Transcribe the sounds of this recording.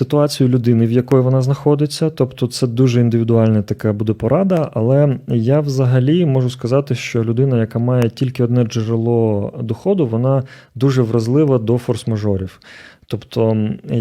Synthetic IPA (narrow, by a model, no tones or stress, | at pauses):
sɪt̪ʊɑt͡sʲijʊlʲʊd̪ɪnɪwjɐkɔjiʋɔnɑznɐxɔd̪ɪt͡sʲːɐt̪ɔpt̪ɔt̪sɛd̪uʒɛind̪ɪʋʲid̪ʊɑlʲnɐt̪ɐkɑbud̪ɛpɔɾɑd̪ɐɐlˠɛjaʋzɐɦɐlʲimɔʒʊskɐzɑt̪ɪʃt͡ʃɔlʲʊd̪ɪnɐjɐkɑmɑjɛtʲilʲkɪɔd̪nɛd͡ʒɪɾɪlˠɔd̪ɔxɔd̪ʊʋɔnɑ | d̪uʒɛʋrɐzlˠɪʋɐd̪ɔfɔrsmɐʒɔɾʲiwt̪ɔpt̪ʰɔ